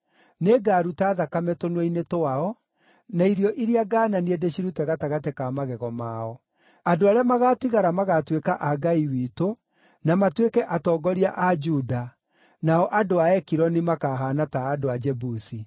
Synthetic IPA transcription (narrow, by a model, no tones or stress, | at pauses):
neɡaɾutaːðakamɛtonwɛinetoaɔ | naiɾjɔʔiɾiaɡaːnaniedeɕiɾutɛɣataɣatekamaɣɛɣɔmaɔ | adoaɾeamaɣaːtiɣaɾamaɣatwekaʔaɡaiwiːto | namatwekɛʔatɔːɡɔɾiaʔad͡ʒuda | naɔʔadoaɛkiɾɔnimakaɦanataːdoad͡ʒɛbusi